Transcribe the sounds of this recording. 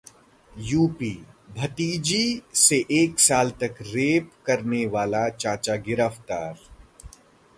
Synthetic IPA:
juːpiːbʱɐt̪iːd͡ʒiseʔeːksaːlt̪ɐkɾeːpkɐɾneʋaːlat͡ʃaːt͡ʃaɡɪɾəft̪aːɾ

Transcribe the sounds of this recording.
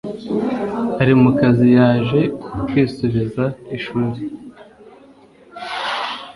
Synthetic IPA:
haɾimukazijaːʒe̞kwiːsuβizaiʃuɾi

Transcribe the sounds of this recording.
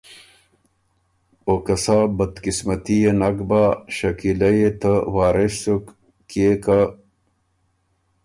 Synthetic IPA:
okɐsabɐd̪kismɐt̪ijenɐkbaɕɐkilɐjet̪əwaːɾeɕsuk | keka

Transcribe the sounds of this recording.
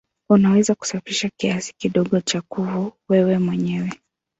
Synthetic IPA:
unawɛzaku̥safiʃakiasi̥kiɗɔɠɔt͡ʃakuvuwɛwɛmwɛɲɛwɛ

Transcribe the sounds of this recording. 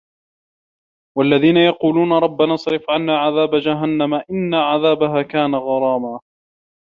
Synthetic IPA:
walːaðiːnajɑquːluːnaɾˤɑbːanɑsˤɾɪfʕanːaːʕaðaːbad͡ʒaɦanːamaʔɪnːaʕaðaːbaɦaːkaːnaɣɑɾˤɑːmaː

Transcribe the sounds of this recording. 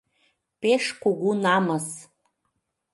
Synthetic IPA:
peʃkuɣunɑməs

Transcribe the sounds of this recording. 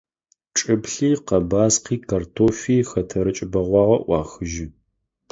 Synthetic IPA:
ʈ͡ʂʼɨbɬiːqɐbaːsqiːkʰɐrtʰoːfiːxɐtʰɐɾɨt͡ʃʼɪbɐʁʷɑːʁɐʔʷɑːxɨʒɪ

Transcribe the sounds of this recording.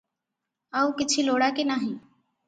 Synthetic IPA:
aːuːkɪt͡ʃʰiːloːɽaːkenaːɦĩː

